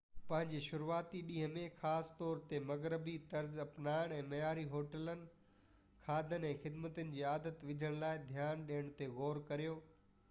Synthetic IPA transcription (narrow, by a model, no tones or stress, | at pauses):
pɐ̃ɦɪ̃ɲd͡ʑeʃʊɾuaːt̪iɗĩːɦəmẽxaːst̪ɔːɾt̪emɐɣɾɪbit̪ɐɾzɐpnaːɪɽ̃ɛ̃ːmɐjaːɾiɦoːʈələnɪ̆ | kʰaːd̪ʱənɛ̃ːxɪd̪mət̪ənɪ̆d͡ʑiːaːd̪ət̪ʋɪd͡ʑʱəɽ̃laːɪd̪ʱjaːnɗiːəɽ̃t̪eɣoːɾkɐɾijoː